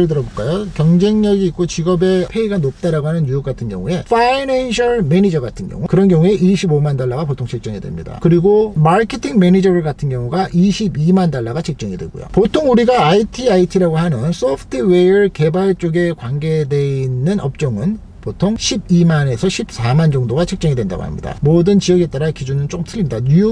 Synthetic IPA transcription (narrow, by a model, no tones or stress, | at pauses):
ɾɯɭt̬ɯɾʌboɭk͈ajokjʌŋd͡ʑe̞ŋɲʌɡiːk͈ot͡ɕiɡʌbe̞pʰe̞iɡanop̚t͈aɾaɡoɦanɯnjujok͈atʰɯnɡjʌŋue̞fʰainanɕʰʌɭme̞nid͡ʑʌɡatʰɯnɡjʌ̰ŋukɯɾʌnɡjʌŋue̞ʔiɕʰibomandaɭːaɣapotʰoŋt͡ɕik̚t͡ɕ͈ʌŋedwḛmɲḭda̰kɯɾiɡomaɭkʰetʰiŋme̞nid͡ʑʌɾɯɭɡatʰɯnɡjʌŋuɡaʔiɕʰibimandaɭːaɣat͡ɕʰek̚t͡ɕ͈ʌŋidwe̞̰ɡo̰jo̰potʰoŋuɾiɡaːitʰiaitʰiɾaɡohanɯns͈ʰopʰtʰɯwejʌɯɭke̞baɭt͡ɕ͈oɡe̞kwanɡe̞de̞inːɯnʌ̰p̚t͡ɕ͈ʌŋɯn | potʰoŋɕʰib̚imane̞sʰʌɕʰip̚s͈amand͡ʑʌŋdoɡat͡ɕʰek̚t͡ɕ͈ʌŋidwe̞nda̰ɡo̰ha̰mɲḭda̰modɯnt͡ɕiʌɡe̞t͈aɾakid͡ʑunɯnt͡ɕok͈ɯmtʰɯʎːimɲidaɲujo